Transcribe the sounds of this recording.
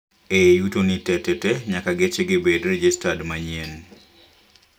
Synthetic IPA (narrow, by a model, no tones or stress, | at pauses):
ejutonitɛtɛtɛɲakaɡet͡ʃeɡɪbedrɛd͡ʒistadmaɲien